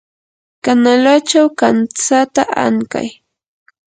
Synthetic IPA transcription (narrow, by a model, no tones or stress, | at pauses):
kanalat͡ʃawkant͡sat̪aʔa̰ŋka̰j